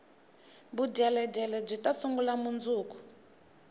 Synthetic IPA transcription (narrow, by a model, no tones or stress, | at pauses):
buɟɛlɛɟɛlɛb͡ʐitʼasuŋɡulamund͡zuːku̥